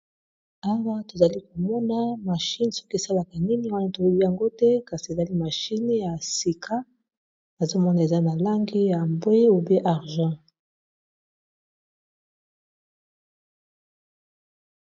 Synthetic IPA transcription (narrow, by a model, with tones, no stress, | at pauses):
a˦wa˦to˨za˨li˦ko˨mɔ˦na˦ma˨ʃi˦n˨sɔ˦ki˦e˨sa˦la˨ka˨ni˦mi˦wa˦na˦˨to˨u˦bi˦ja˨ŋɡo˦tɛ˦ka˨si˨e˨za˦li˦ma˨ʃi˦n˦ja˨si˨kʰa˦ | na˨zo˦mɔ˦na˨e˨za˦na˨la˦ŋɡi˦ja˨mbwe˦o˨be˦ʔa˨ʁʒɑ̃˦